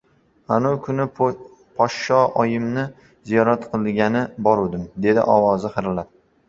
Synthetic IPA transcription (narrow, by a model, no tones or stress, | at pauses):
hanukʰʊnɪ | pʰɒʃʃɒɒjɪmnɪ | zijɒɾat̪qʰɨlˠɡʲanɪbɒɾud̪ɪmd̪e̞d̪ɪ̰ʔɒwɒzɪχɨɾlaɾ